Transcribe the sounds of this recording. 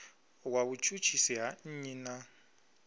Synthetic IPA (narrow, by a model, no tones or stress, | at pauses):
waβut͡ʃʼut͡ʃʰisiɦan̩ɲina